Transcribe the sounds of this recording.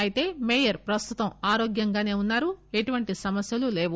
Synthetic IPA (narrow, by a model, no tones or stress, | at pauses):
ɐjit̪e̞ːmeːjɐɾpɾɐst̪ut̪ɐmaːɾoːɡjɐŋɡaːne̞ːunːaːɾue̞ʈuʋɐɳʈisɐmɐsjɐlule̞ːʋu